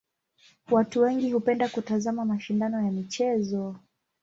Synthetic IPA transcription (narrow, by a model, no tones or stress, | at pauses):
watuwɛŋɡihupɛndakutazamamaʃindanɔjamit͡ʃɛzɔ